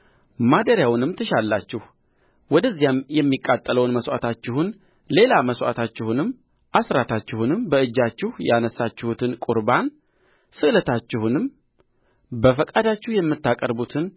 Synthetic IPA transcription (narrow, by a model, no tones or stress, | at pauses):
mad̪əɾjawnɨmt̪ʰəʃalːat͡ʃːɪh | wɔd̪əzːijamjɛmːikʼːat̪ʼːələwnməsʔa̰t̪ʰat͡ʃːɪhun | le̞laməswʷʔa̰t̪ʰat͡ʃːɪhunɨmː | ʔasɾat̪ʰat͡ʃːɪhunɨmbəɨd͡ʒːat͡ʃːɪhjanəsːat͡ʃːɪhut̪ʰɨnkʼuɾban | sɨʔlət̪ʰat͡ʃːɪhunɨm | bəfəkʼad̪at͡ʃːɪhjɛmːɨt̪ːakʼəɾbut̪ʰɨn